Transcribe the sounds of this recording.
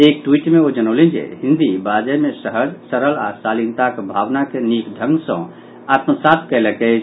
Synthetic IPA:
ek̚ʈwiʈmeod͡ʒənəʊlẽnd͡ʒḛɦĩnd̪ibad͡ʒɛmesəɦəd͡ʒsəɾəla̰salint̪akebʱaʋnakenikd̪ʱə̃ŋɡsə̰̃ | at̪msat̪̚kɛlɛkɛ

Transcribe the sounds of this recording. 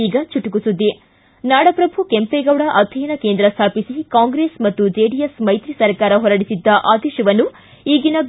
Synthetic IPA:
iːɡɐt͡ʃuʈukusud̪ːi | naːɽɐpɾɐbʱukempeɡɐwɽɐʔɐt̪ʰijnɐkeːnd̪ɾɐst̪ʰaːpisikaːŋɡɾeːsmɐt̪ːud͡ʒeːɖijesmɐjt̪ɾisɐɾkaːɾɐɦɔɾɐɽisid̪ːɐʔaːd̪ɛːʃɐʋɐnːu | iːɡinɐ

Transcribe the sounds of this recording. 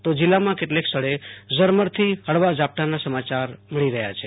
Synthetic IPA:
t̪od͡ʒilːamãkeʈleksəɽezəɾməɾt̪ʰiɦəɽʋad͡ʒap̚ʈ̪anasəmat͡ʃaɾmiɭiɾəɦja̰t͡ʃʰe

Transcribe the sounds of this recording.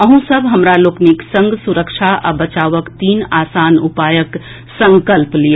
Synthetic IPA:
əɦũsəbʱɦəmɾalokniksə̃ŋɡsuɾəkt͡ʃʰaʔa̰bət͡ʃaʋəkt̪iːnasanupajək | sə̃ŋkəlplijə

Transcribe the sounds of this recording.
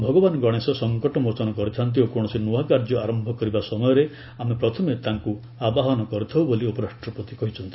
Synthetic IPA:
bʱɔɡɔbanɔɡɔɽ̃esɔsɔŋkɔʈɔmot͡ʃɔnɔkɔɾit̪ʰant̪̬iokoɽ̃ɔsinuakaɾd͡ʒɔaɾɔmbʱɔkɔɾibasɔmɔjɔɾe | amepɾɔt̪ʰɔmet̪aŋku | abaɦɔnɔkɔɾit̪ʰawboliopɔɾasʈɾɔpɔt̪ikɔɦit͡ʃʰɔnt̪i̥

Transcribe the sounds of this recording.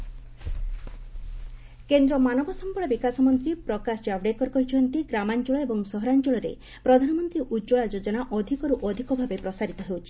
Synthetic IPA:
kend̪ɾɔmanɔbɔsɔmpɔɭɔbikasɔmɔnt̪ɾipɾɔkasd͡ʒawɖekɔɾkɔɦit͡ʃʰɔnt̪iɡɾamant͡ʃɔɭɔebɔŋsɔɦɔɾant͡ʃɔɭɔɾḛ | pɾɔd̪ʱanɔmɔnt̪ɾiʔud͡ʒoɭad͡ʒod͡ʒɔnaʔɔd̪ʱikɔɾuʔɔd̪ʱikɔbʱabepɾɔsaɾit̪ɔɦewt͡ʃʰi̥

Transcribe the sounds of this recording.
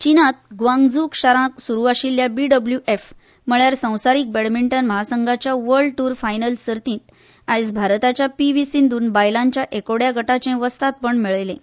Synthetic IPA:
t͡ɕinat̪̚ɡʋãŋɡd͡zuːkɕaɾãksuɾuaɕilːjabiɖəbljuʔef | m̤əɭjaɾsə̃w̃saɾiːk̚beɽmiɳʈənməɦasəŋɡʱat͡ɕjaʋəɾɭɖʈuːɾfajnəlsəɾt̪ĩːt̪ | ajsbʱaɾt̪at͡ɕjapiʋisind̪uːnbajlaɲt͡ɕjaʔekoɽjaɡʱəʈat͡ɕẽʋəst̪at̪̚pəɳmiɭjlḛ̃

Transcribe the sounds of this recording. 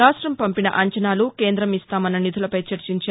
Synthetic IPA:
aːʂʈɾɐmpɐmpinɐ̰ʔɐɲt͡ʃɐnaːluke̞ːnd̪ɾɐmist̪aːmɐnːɐnid̪ulɐpɐjt͡ʃɐɾt͡ʃiɲt͡ʃaː

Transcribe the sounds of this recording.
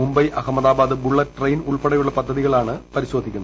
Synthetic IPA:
umbɐjʔɐɦɐmɐðaːbaːd̪ɨbuɭːɐʈrɐjnuɭpɐɽɐjuɭːɐpɐd̪ʱːɐðiɣɐɭaːɳɨpɐɾiɕo̞ːd̪ʱikʲːunɐ

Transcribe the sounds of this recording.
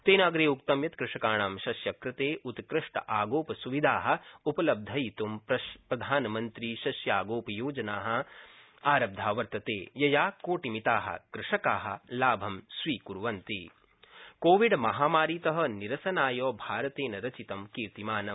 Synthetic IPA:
t̪eːnaːɡɾeːukt̪ɐmjɐt̪kɾɪʂɐkaːɳaːmʃɐsjɐkɾɪt̪eːʔut̪kɾɪʂʈɐ̰ʔaːɡoːpɐsuʋid̪ʱaːɦɐ̆upɐlɐb̚d̪ʱɐjit̪umpɐpɾɐd̪ʱaːnɐmɐnt̪ɾiːʃɐsjaːɡoːpɐjoːd͡ʒɐnaːɦɐ̆ | aːɾɐb̚d̪ʱaːʋɐɾt̪ɐt̪eːjɐjaːkoːʈimit̪aːɦɐ̰kɾɪʂɐkaːɦɐ̆laːbʱɐmsʋiːkuɾʋɐnt̪iː | koːʋiɖmɐɦaːmaːɾiːt̪ɐɦɐ̆niɾɐsɐnaːjɔːbʱaːɾɐt̪eːnɐɾɐt͡ʃit̪ɐmkiɾt̪imaːnɐm

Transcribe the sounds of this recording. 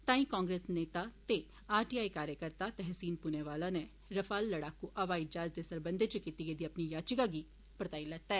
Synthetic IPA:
t̪ãːĩːkãːŋɡɾeːsneːt̪aːt̪e | aːʈiːaːikaːɾjəkəɾt̪aːt̪ɛɦsiːnpuneːʋaːlãːne | ɾəfʰaːlːəɽaːkuːʔəʋaːid͡ʒaːd͡ʒd̪eːsəɾbənd̪eːt͡ʃəkiːt̪iɡeːd̪iːəpniːjaːt͡ʃɪkaɡiː | pɾət̪aːilɛːt̪ːaɛː

